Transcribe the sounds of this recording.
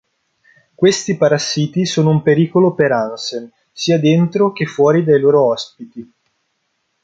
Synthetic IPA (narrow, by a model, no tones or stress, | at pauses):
kwest̪ipaɾasːiːt̪isoːnoumpeɾiːkolopeɾansen | siːad̪ent̪ɾok̟efːwɔːɾid̪ajloːɾoɔspit̪i